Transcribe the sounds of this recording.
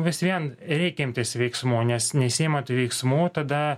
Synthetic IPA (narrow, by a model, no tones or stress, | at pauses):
ʋʲɪsʋʲiɛnɾʲɛɪkʲɛɪmʲt̪ʲɪsʋʲɛɪksmuːnʲɛsnʲɛsʲɪiːmɐt̪uːʋʲɛɪksmuːt̪ɐd̪ɐ